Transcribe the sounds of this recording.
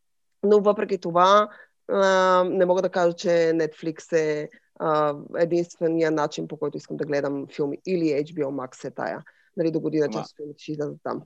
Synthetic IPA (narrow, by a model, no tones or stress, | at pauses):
novəpɾɛkʲit̪ova | nɛmɔɡəd̪ɐkaʒət͡ʃɛnɛt̪fliksɛ | əɛd̪inst̪vɛnijənat͡ʃinpokɔjt̪oiskəmd̪ɐɡlɛd̪ɐmfilˠmiːliɛjd͡ʒbiɛlˠmaksɛt̪a̰jə̰ | nalid̪oɡod̪inɐt͡ʃa̰sst̪filˠmit̪ɛ̥ʃɛizlʲɛzət̪ːa̰m